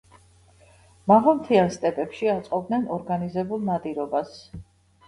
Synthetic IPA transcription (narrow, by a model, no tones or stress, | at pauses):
mavamt̪ʰianst̪ʼɛpʼɛpʃiat̪sʼqʼɔbd̪nɛnɔɾɡanizɛbulˠnad̪iɾɔbas